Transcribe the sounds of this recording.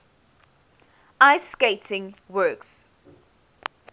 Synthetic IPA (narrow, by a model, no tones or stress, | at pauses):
aɪskeɪtʰɪ̃ŋwɜːks